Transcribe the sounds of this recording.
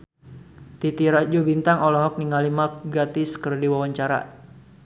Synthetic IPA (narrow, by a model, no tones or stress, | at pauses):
t̪it̪iɾad͡ʒubint̪aŋɔlɔɦɔk̚niŋalimak̚ɡat̪ɪskərdiwawaɲt͡ʃaɾa̰